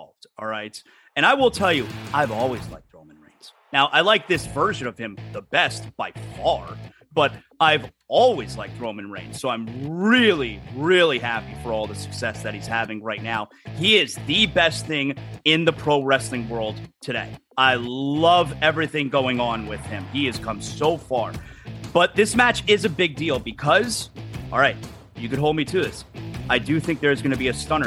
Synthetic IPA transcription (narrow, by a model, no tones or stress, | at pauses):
lˠvd̥ɔɹaɪt | ɨ̃ɾ̃aɪwɪlˠtʰɛlˠjɨaɪvɔlˠwizla̰ɪk̚t̚ɹõʊ̃mɨ̃n̩ɹḛ̃ɪ̃nz̥ | naʊʔaɪlaɪk̚ðɪsv̥ɜ˞ʒɨ̃nʌv̥ɨ̃mðəbɛst̚b̥aɪfɑɹ | b̥ʌɾ | aɪv | ɔlˠwizlaɪk̚tɹõʊ̃mɨ̃nɹḛ̃ɪ̃nz̥soʊãɪ̃mɹɪlˠiɹɪlˠiɦæpifə˞ɔlˠðəsɨ̥ksɛsðɨt̚hiz̥hævɪ̃ŋɹaɪtⁿnaʊ | iɪzðɨbɛst̪θɪ̃ŋɪ̃nðəpʰɹ̥oʊɹɛslɪ̃ŋwɜ˞lˠd̚tʰɨɾḛɪaɪlʌvɛvɹiθɪ̃ŋɡoʊɪ̃ŋə̃nwɪð̥ɪ̃miɨz̥kʰʌ̃msoʊfɑɹb̥ʌt̪̚ðɪsmæt͡ʃɪzɨbɪɡ̚dilˠbɨkʰʌz̥ɔ̰lˠɹaɪt̚ | jɨkɨd̚ɦoʊlˠd̚mitʰɨðɪsaɪdɨθɪ̃ŋk̚ðə˞zɡʌñɨbiɨstʌ̃ñə